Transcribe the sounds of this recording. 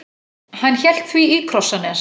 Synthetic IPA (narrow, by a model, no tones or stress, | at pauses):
hanːçɛl̥t̪θviikʰɾɔsːanɛɾ